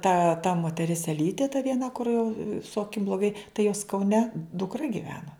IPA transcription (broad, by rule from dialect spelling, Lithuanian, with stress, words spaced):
tɐ tɐ moːtʲɛˈrʲɪs ɛˈlʲiːtʲeː tɐ ʋʲiɛˈnɐ kʊr jɛʊ sʊ ɐˈkʲɪm blˠoːˈɡɐɪ tɐɪ joːs kɐʊˈnʲɛ dʊkˈrɐ ɡʲɪˈʋʲæːnɐ